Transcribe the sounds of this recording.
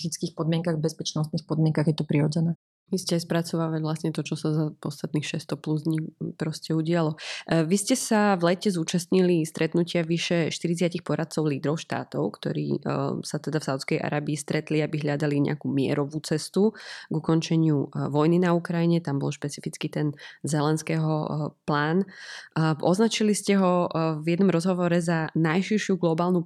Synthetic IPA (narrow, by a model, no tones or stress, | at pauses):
xit͡skiːxpɔd̪mɪɛŋkaɣbɛspɛt͡ʃnɔst̪nixpɔd̪mɪɛŋkaɣjɛt̪ɔpɾiɾɔd͡zɛnɛː | ʋiscɛaɪspɾat͡sɔʋaːʋacʋlasɲɛt̪ɔt͡ʃɔsazapɔst̪at̪niːxʃɛst̪ɔpluzd̪ɲipɾɔscɛuɟɪalɔʋiscɛsavlɛcɛzuːt͡ʃast̪ɲilist̪ɾʔɛt̪nucɪaʋiʃɛʃt̪iɾit͡sɪacixpɔɾat̪̚t͡sɔʊliːd̪ɾɔʊʃt̪a̰ːt̪ɔ̰ʊkt̪ɔ̰ɾḭːsat̪ɛd̪afsaʊt̪t͡skɛjʔa̰ɾaːbiːst̪ɾɛt̪liabiɦʎad̪aliɲɛ̰akuːmɪɛ̰ɾɔʋuːt͡sɛst̪uɡukɔnt͡ʃɛɲɪuʋɔjninaukɾajiɲɛt̪ambɔ̰lˠʃpɛt͡sifit͡skit̪ɛnzɛlɛnskɛːɦɔplaːn | ʔɔznat͡ʃiliscɛɦɔvjɛd̪nɔmɾɔzɦɔʋɔɾɛzanajʃiɾʃɪuɡlɔbaːlˠnu